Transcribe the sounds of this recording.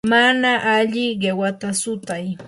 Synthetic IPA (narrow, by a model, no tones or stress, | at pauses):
manaʔaʎɪɢewat̪asʊt̪aj